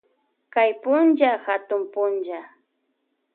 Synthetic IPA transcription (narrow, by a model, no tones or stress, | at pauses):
kajpʊnd͡ʒaxat̪ʊmpʊnd͡ʒa